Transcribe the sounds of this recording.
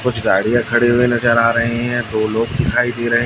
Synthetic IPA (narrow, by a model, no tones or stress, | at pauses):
kʊt͡ʃʰɡaːɽijãkʰɐɽeɦuenɐzəɾaːɾɐɦeɦɛ̃d̪oːloːɡd̪ɪkʰaːid̪eɾɐɦẽ